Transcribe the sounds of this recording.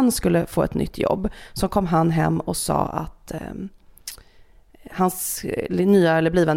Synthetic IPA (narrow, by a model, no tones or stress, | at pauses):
nskɵlːəfoːɛt̪nʏ̰t̪ʰːjɔ̰bːsɔkʰɔmːɦanːɦɛmːɔsɑ̰ːʔa̰t̪ | hansnyːaɛlːəbliːvən